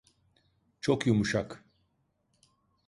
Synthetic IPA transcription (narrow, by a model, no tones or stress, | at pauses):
t͡ʃʰo̞kjumuʃak